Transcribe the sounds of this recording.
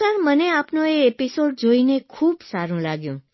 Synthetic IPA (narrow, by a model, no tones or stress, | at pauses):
aɾməneapnoeːpisoɖ̚d͡ʒoinekʰuːbsaɾũlaɡjṵ̃